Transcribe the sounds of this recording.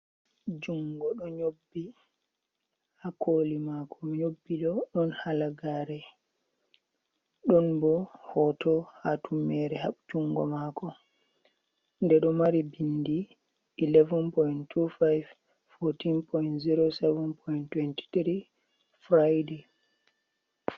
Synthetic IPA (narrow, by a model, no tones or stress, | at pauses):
d͡ʒuŋɡɔɗɔɲobːi | hakʰolimakʰɔmiɲobːiɗɔɗɔnhalaɡaɾɛ | ɗɔnbɔhɔtʰɔhatumːɛɾɛhaɓd͡ʒuŋɡɔ̰makɔ | ndɛɗɔmaɾibindiː | lɛvɔnpɔjntʰufajv | fotinpʰɔjntziɾosɛvɛnpʰɔjntwɛnti̥tɾi | fɾajde